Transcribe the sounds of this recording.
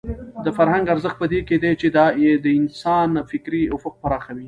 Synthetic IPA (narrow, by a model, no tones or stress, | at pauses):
d̪əfaɾɦaŋɡaɾzəxt̪̚pəd̪eked̪et͡ʃed̪ɑed̪əɪnsɑnfɪkɾiʊfʊq̚paɾɑxawi